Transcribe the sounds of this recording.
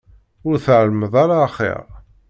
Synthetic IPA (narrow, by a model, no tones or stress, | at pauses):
ʊɾθʕəlməðˤaɾaχḭʁ